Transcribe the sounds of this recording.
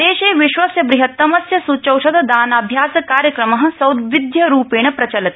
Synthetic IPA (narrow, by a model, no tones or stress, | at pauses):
eːʃeːʋiʃʋɐsjɐbɾiɦɐt̪ːɐmɐsjɐsut͡ʃɐwʃɐd̪ɐd̪aːnɐbʱjaːsɐkaːɾjɐkɾɐmɐɦɐ̆sɐwd̪ʋid̪ʱjɐɾuːpeːɳ̃ɐpɾɐt͡ʃɐlɐt̪